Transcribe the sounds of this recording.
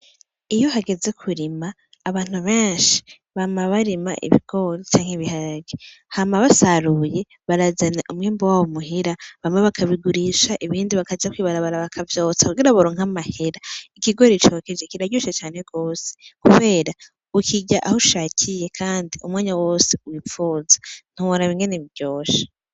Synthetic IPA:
ijo̞ɦaɡe̞ze̞kʰuɾimaː | βaːn̥uβeːnʃi̥ | βamaβaɾima̰ʔḭβḭɡ̥o̞ɾit͡ʃaːŋ̥heβihaɡihamaβasaɾuje̞ | βaɾazanaʔumŋiːmbowawomuɦiɾaβamweβakʰaβiɡuɾiʃaʔiβiːndiβakad͡ʒakwiːβaɾaβaɾaβakʰavjo̞ːt͡sḁkuɡiɾaβaɾoːŋ̥hamahe̞ɾaikiɡo̞ɾit͡ʃoked͡ʒekiɾaɟoʃet͡ʃaːneɡ̥oːse̥kuβe̞ːɾa | ukʰiɟaʔahoʃaːcʰije̞kʰaːndiʔumŋaːɲawo̞ːseuwifuːzḁn̥huɾaβiːŋɡe̞neβiɾɟoːʃḁ

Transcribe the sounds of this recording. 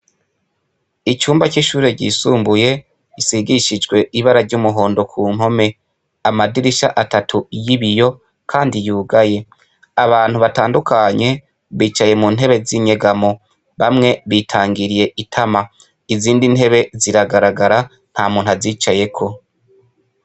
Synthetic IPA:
it͡ʃuːmbat͡ʃiʃuːɾe̞ɟḭːsuːmbuje̞ | isiɡiʃid͡ʒɡwe̞ʔiβaɾaɾɟumuɦo̞ːndo̞kʰuːn̥ɦo̞me̞ | amadiɾiʃaʔatatʰujiβijo̞ | kʰaːndijuːɡaje̞ | aβaːn̥huβataːndukʰaɲe̞ | βiːt͡ʃaje̞muːnɦe̞βe̞ziɲe̞ɡamo̞ | βamŋe̞βiːtʰaːŋɡiɾije̞ʔitʰama | iziːndinhe̞βe̞ziɾaɡaɾaɡaɾa | n̥hamuːnaziːt͡ʃaje̞kʰo̞

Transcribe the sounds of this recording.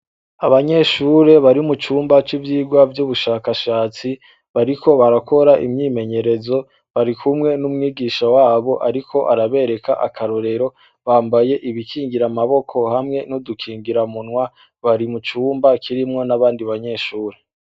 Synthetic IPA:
aβaɲe̞ʃuːɾe̞βaɾimut͡ʃuːmbat͡ʃivjiːɡwavjuβuʃaːkaʃaːt͡si | βaɾiko̞βaɾakʰo̞ɾaʔḭmɲime̞ɲe̞ɾe̞zo̞ | βaɾikʰumŋe̞numŋiːɡiːʃawaːβo̞ʔaɾikʰo̞ʔaɾaβe̞ɾe̞ka̰ʔa̰kʰaɾo̞ɾe̞ɾo̞ | βaːmbaje̞ʔiβikʰiːŋɡiɾamaβo̞kʰo̞hamŋe̞nodukʰiːŋɡiɾamunwa | βaɾimut͡ʃuːmbakʰiɾimŋo̞naβaːndiβaɲe̞ʃuːɾe

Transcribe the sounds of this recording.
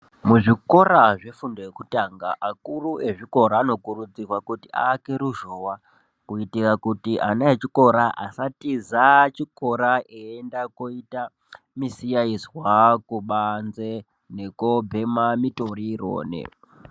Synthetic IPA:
muʐiko̞raʐe̞fundojekutaŋɡaʔakuruʔe̞ʐiko̞ɾaːno̞kurud͡zirwakutia̰ːke̞ɾuʒoːwa | kuitikakutiʔanaet͡ʃiko̞ɾaʔa̰satizat͡ʃiko̞ɾaʔeendakoita | misijaizwakuɓanze | ne̞kobʱe̞mamitoriro̰ːnḛ

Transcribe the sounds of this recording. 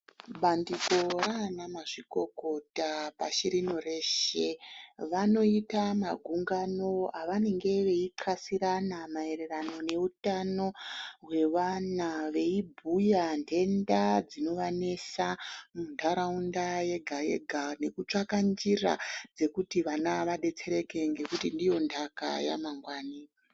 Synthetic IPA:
ɓandiko̞raːnamaʐiko̞ko̞tapaʃiɾinoreːʃe̞ʋano̞itamaɡʱuŋɡano̞aʋane̞ŋɡe̞ʋe̞iǃʰasiɾanamae̞ɾe̞rano̞ne̞utano̞ɦwe̞ʋanaʋe̞ibʱujande̞ndad͡zino̞ʋane̞samuntʰaɾaundaje̞ɡʱaje̞̰ɡʱane̞kut͡ʂakand͡ʒira̰d͡ze̞kutiʋanaʋaɗe̞t͡se̞ɾe̞ke̞ŋɡe̞kutindijo̞ndaka̰ja̰maŋɡwaːni

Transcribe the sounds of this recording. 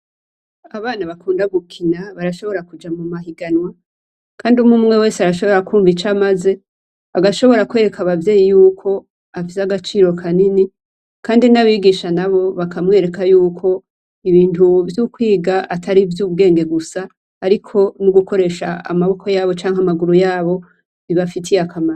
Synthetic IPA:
aβaːnaβakuːndaɡukʰinaβaɾaʃo̞βo̞ɾakud͡ʒamumaɦiɡanwa | kʰaːndiumumŋe̞we̞ːseaɾaʃo̞βo̞ɾakuːɱvit͡ʃamaze̞ | βaɡaʃo̞βo̞ɾakwe̞ɾe̞kʰaβavje̞ːjijuːkʰo̞ | afisaɡat͡ʃiːɾo̞kʰanini | kaːndinaβiɡiʃanaβo̞βakamŋe̞ːɾe̞kajuːkʰo̞ | iβiːntuvjukwiːɡaʔatʰaɾivjuːβɡe̞ːŋɡe̞ɡusaː | ɾikʰo̞nuɡuko̞ɾe̞ːʃaa̰maβo̞kʰo̞jaːβo̞t͡ʃaːŋamaɡuɾujaːβo̞ | iβafitʰijakʰama

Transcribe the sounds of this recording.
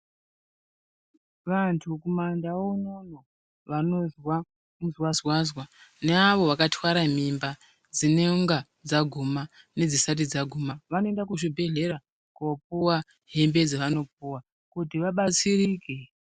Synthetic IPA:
ʋantʰukumandaonono | ʋano̞zwa | muzwazwazwaneaʋo̞ʋakatʰwaɾamimba | d͡zineŋɡa | d͡zaɡʱuma | ne̞d͡zisat̬id͡zaɡʱumaʋanoe̞ndakuʐibʱe̞ɮe̞ɾa | kop̚uwa | ɦe̞mbe̞d͡zeʋano̞p̚uwa | kutiʋaɓat͡siriːke

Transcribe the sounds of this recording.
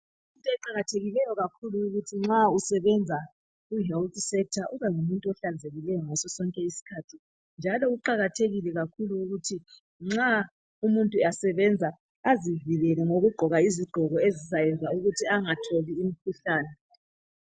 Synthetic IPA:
ummuntʼuɛǃaɣatʰeɣilɛjɔɣakʰuluːɣutʰiŋ͡ǁausɛβɛnd͡zʱa | uɦɛltʼsɛk̚tʰaʔuβaŋumuntʼuɔɬand͡zʱeɣilɛjɔŋɔsɔsɔŋkʼɛisi̥kʰatʰi | nd͡ʒʱalɔɣuǃaɣatʰeɣilɛɣakʰuluːɣutʰi | ŋ͡ǁa | umuntʼuasɛβɛnd͡zʱaː | ziviɣɛlɛŋoɣuɡ͡ǃʱɔɣaiziɡ͡ǃʱɔɣɔezisajɛnzauɣutʰiaŋatʰoliːmikʰuɬaːnɛ

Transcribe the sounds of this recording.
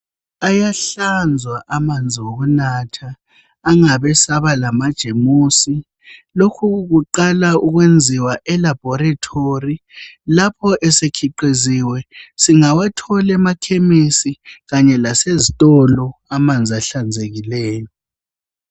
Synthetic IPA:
ajaɬand͡zʱwaʔamand͡zʱiwoɣunaːtʰaː | ŋaβɛsaβalamad̥ʒ̥ʱemuːsi | lokʰuɣuǃalauɣwend͡zʱiwaʔɛlab̥ʱɔɾatʰorilapʰɔʔɛsekʰiǃiziwɛsiŋawatʰɔlɛmakʰemisiɣaɲɛlasezitʼɔlɔamand͡zʱiaɬand͡zʱeɣileːjɔ

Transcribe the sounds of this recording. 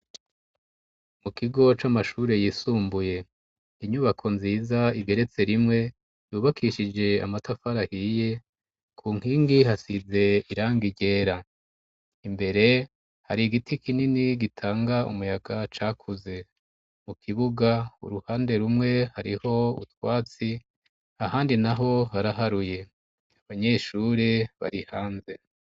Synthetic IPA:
mukiɡo̞t͡ʃamaʃuːɾe̞jiːsuːmbuje̞ | iɲuβakʰo̞nziːzaiɡe̞ɾe̞t͡se̞ɾimŋe̞ | juːβakʰiʃid͡ʒe̞a̰matafaɾahije̞ | kʰuːŋ̥hiːŋɡihasize̞iɾaːŋɡiɟe̞ːɾa | imbe̞ɾe̞ | haɾiɡitikininiɡitʰaːŋɡaṵmujaɡat͡ʃaːkʰuze̞ | mukʰiβuɡaṵɾuhaːnde̞ɾumŋe̞haɾiho̞ṵtwaːt͡si | ahaːndinaɦo̞haɾaɦaɾuje̞ | aβaɲe̞ːʃuːɾeβa̰ɾihaːnze̞

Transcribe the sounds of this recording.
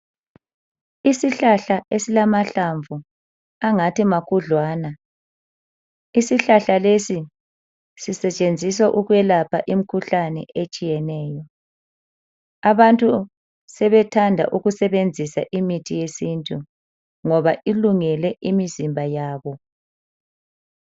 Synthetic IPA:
isiɬaɬaesilamaɬaɱvu | aŋatimakʰuɮwaːna | isiɬaɬalesi | sisɛt͡ʃʼend͡zʱis̬waʔuɣwɛlapʰaʔim̩kʰuɬanɛʔet͡ʃʼijɛnɛːjɔ | aβantʼu | sɛβɛtʰandʱa̰ʔuɣusɛβend͡zʱisa̰ʔimitʰijesintʼu | ŋɔβaʔiluŋɛlɛʔimizimbʱajaːβɔ

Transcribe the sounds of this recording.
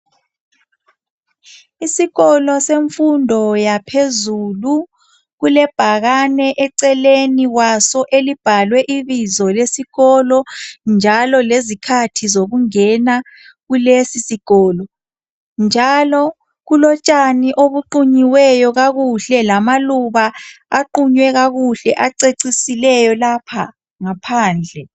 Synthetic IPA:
isiɣɔlɔseɱfundʱɔjapʰezulu | ɣulɛb̥ʱaɣanɛʔɛǀɛleniwasɔʔelib̥ʱalwɛʔiβizɔlesiɣɔlɔnd͡ʒʱalɔlezikʰatʰizoɣuŋɛna | ɣulesisiɣ̥ɔːlɔ | nd͡ʒʱalɔ | ɣulɔt͡ʃʼaniʔoβuǃuɲiwɛjɔɣaɣuɬɛlamaluβaːǃuɲwɛɣaɣuɬɛʔaǀeǀisilɛjɔlapʰa | ŋapʰaːnd͡ɮʱɛ

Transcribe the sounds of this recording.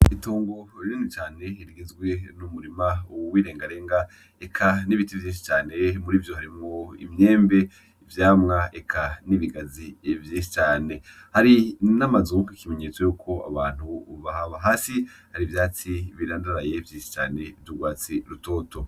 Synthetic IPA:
itoːŋɡo̞ɾiɾinut͡ʃaːne̞iɾiɡizɡwe̞numuɾimawiːɾe̞ːŋɡaɾe̞ːŋɡa | ekʰaniβitivjĩːnʃ̬i̥t͡ʃaːne̞muɾiːvjo̞haɾimŋoḭmɲeːmbe̞ | ivjaːmŋaekʰaniβiɡazivjiːnʃit͡ʃaːne̞ | haɾinamazukikime̞ɲe̞ːt͡so̞joːkʰo̞a̰βaːn̥huβaɦaβaɦaːsi | haɾivjaːt͡siβiɾaːndaɾaje̞vjiːnʃi̥t͡ʃa̰ːne̞vjuɡwaːt͡siɾuto̞ːto̞

